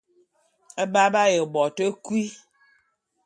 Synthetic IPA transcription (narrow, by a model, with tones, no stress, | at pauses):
ə˦ba˦ba˦jə˨bɔ˨tə˦kwi˦